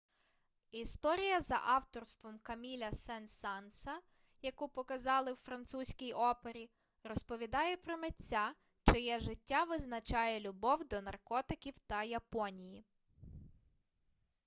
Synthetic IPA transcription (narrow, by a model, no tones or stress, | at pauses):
ist̪ɔɾʲijɐzɐ̰ʔɑwt̪ɔrst̪ʋɔmkɐmʲilʲɐsɛnsɑnsɐ | jɐkupɔkɐzɑlˠɪwfɾɐnt̪susʲkʲijɔpeɾʲi | rɔspɔʋʲid̪ɑjɛpɾɔmetʲːa | t͡ʃɪjɛʒɪtʲːaʋɪznɐt͡ʃɑjɛlʲʊbɔwd̪ɔnɐrkɔt̪ɪkʲiwt̪ɐjɐpɔnʲiji